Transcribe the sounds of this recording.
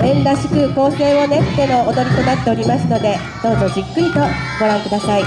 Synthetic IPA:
ẽ̞nd̪aɕi̥kɯ̟ko̞ːse̞ːβone̞t̪ːeno̞ːd̪o̞ɾʲit̪o̞nat̪ːe̞o̞ɾʲimasɨno̞d̪e̞ | d̪̥o̞ːzo̞d͡ʑikːɯ̟ɾʲit̪o̞ɡ̥o̞ɾãŋkɯ̟d̪asai

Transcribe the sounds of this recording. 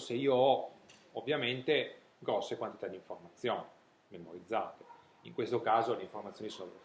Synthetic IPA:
seiːoɔovːjament̪e | ɡɾɔsːekwant̪i̥t̪ad̪iɱformat̪sːjoːni | memoɾid̪zːaːt̪e | ḭŋkwest̪okaːzoleiɱformat̪sjoːnisoːnop

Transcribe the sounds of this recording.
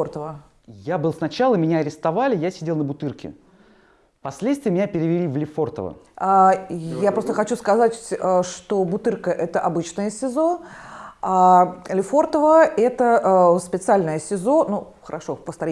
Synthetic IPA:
ort̪əvə | jabɨlˠsnɐt͡ɕalˠəmʲɪnʲaɐɾʲɪst̪ɐvalʲɪjasʲɪdʲelˠnəbʊt̪ɨrkʲɪ̰ | pɐsʲlʲet̪st̪vʲɪəmɪnʲapʲɪɾʲɪvʲɪlʲivlʲɪfo̞rt̪ə̰və̰ | ajapɾost̪əxɐt͡ɕuskɐzatʲːʂt̪o̞bʊt̪ɨrkəʔɛt̪əʔɐbɨt͡ɕnəjəsʲɪzo̞ | alʲɪfo̞rt̪əvəɛt̪əspʲɪt̪sɨalʲnəjəsʲɪzo̞nu | xəɾɐʂo̞pəst̪ɐɾʲ

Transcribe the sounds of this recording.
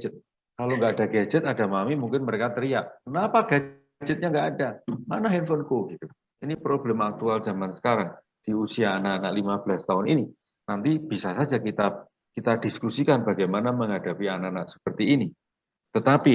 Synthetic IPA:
d͡ʒɛt̪̚ | kaloŋɡaadaɡad͡ʒɛt̪̚adamamimuŋkɪnməɾekat̪əɾiaʔkənapaɡ̥a | d͡ʒɛt̪̚ɲaŋɡaʔːdamanaɦinfɔnkoɡ̥it̪u | ʔinipɾoblɛmak̚t̪ualz̥amansə̥kaɾaŋ | d̥i̤usiaːnaʔːnaʔlimab̥əlast̪aɦʊnini | nant̪ib̥isasad͡ʒakit̪a | kit̪ad̥iskusikanbaɡajmanaməŋɦad̥apianaʔanaʔsə̥pərt̪iːni | t̪ət̪api

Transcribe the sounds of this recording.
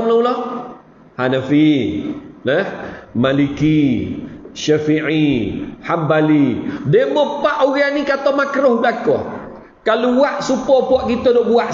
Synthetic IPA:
mlaulɔh | hanafi | ləhmaliki | ʃafiʕihambalidemɔpaʔoɣanikat̪ɔmakɾohblakɔ̰ | kaluwaʔsupɔpuɔʔkit̪ɔdɔʔbuaʔ

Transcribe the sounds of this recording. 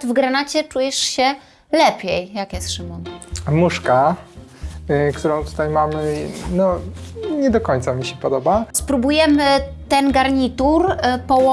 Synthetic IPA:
t̪vɡɾanat͡ɕɛt͡ʂujɛʂɕɛ | lɛpʲjɛjjakjɛst̪ʂɨmunmuʂka | kt̪uɾɔ̃w̃t̪u̥t̪ajmamɘnɔɲɛd̪ɔkɔɲt̪samʲiɕɛpɔd̪ɔbaspɾubujɛmɘt̪ɛnɡaɾɲit̪uɾpɔwɔ

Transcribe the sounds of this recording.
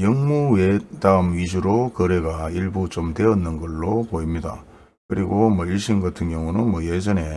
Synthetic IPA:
jʌŋmuwedaɯmɥid͡ʑuɾokɯɾe̞ɡaiɭbut͡ɕomte̞ʌnːɯnɡʌɭːopoimɲida̰ | kɯɾiɡomʌiɭɕʰinɡatʰɯŋɡjʌŋunɯnmwʌjed͡ʑʌne̞

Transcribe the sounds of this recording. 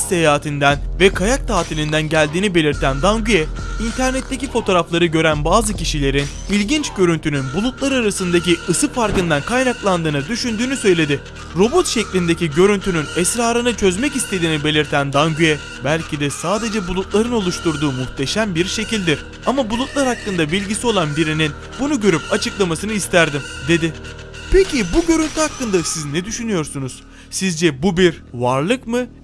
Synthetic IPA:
se̞jaːt̪ʰind̪ænvɛkʰajak̚t̪ʰaːt̪ʰilʲind̪ænɟælʲd̪iːnibe̞lʲiɾt̪ʰænd̪aŋɟyjɛint̪ʰæɾnɛt̪ʰːe̞cifo̞t̪ʰo̞ːɾaflˠaɾɯɟø̞ɾænbaːzɯcʰiʃilʲe̞ɾin | ilʲɟint͡ʃɟø̞ɾynt̪ʰynynbulˠut̪̚lˠaɾaɾasɯnd̪ac̬iɯsɯfaɾkɯnd̪ankʰajnaklˠand̪ɯːnɯd̪yʃynd̪yːnysø̞jlʲe̞d̪ɪ | ɾo̞bo̞t̪ʃɛclʲind̪e̞ciɟø̞ɾynt̪ʰynynɛsɾaːɾɯnɯt͡ʃʰø̞zmɛcist̪ʰe̞d̪iːnibe̞lʲiɾt̪ʰænd̪aŋɟyjɛ | bælʲcʰid̪ɛsaːd̪e̞d͡ʒɛbulˠut̪̚lˠaɾɯno̞lˠuʃt̪uɾd̪uːmuxt̪ʰe̞ʃæmbiɾʃe̞cilʲd̪iɾ̥ | amabulˠut̪̚lˠaɾhakːɯnd̪abilʲɟisio̞lˠanbiɾinin | bunuɟø̞ɾypat͡ʃʰɯklˠamasɯnɯist̪ʰæɾd̪imd̪e̞d̪ɪ | pʰe̞cʰibuɟø̞ɾynt̪ʰyhakːɯnd̪asiznɛd̪yʃynyjo̞ɾsunuz̥ | sizd͡ʒɛbubiɾvaɾlˠɯkmɯ

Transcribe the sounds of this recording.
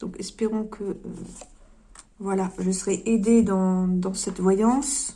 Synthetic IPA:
d̪̥ɔ̃kɛspeʁɔ̃kʰəø̰ | vwalaʒəsəʁɛʔed̪ed̪ɑ̃d̪ɑ̃sɛt̪vwajɑ̃s

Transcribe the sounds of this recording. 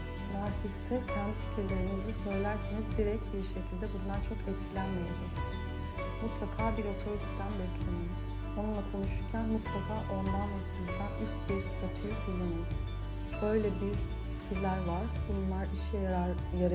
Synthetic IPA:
maɾsist̪ʰɛcʰand̪ifi̥cʰiɾlʲe̞ɾinizɛsø̞jlʲæɾsinizd̪iɾɛct̪biɾʃecʰilʲd̪ɛbunlˠaɾt͡ʃʰo̞kʰɛt̪cʲʰilʲænmejaɾu | mut̪lˠakʰaːbilɛt͡ʃ̪ʰojt̪ʰuct̪ʰænbɛslʲenij | o̞nunlˠakʰo̞nuʃuɾcʰænmut̪lˠakʰaːʔo̞nd̪anasizd̪aniscbiɾsi̥t̪ʰat̪ʰyfilani | bø̞jlʲɛbyjy | ficʰiɾlʲæɾvaɾ̥bununlˠaɾiʃ | jaɾ

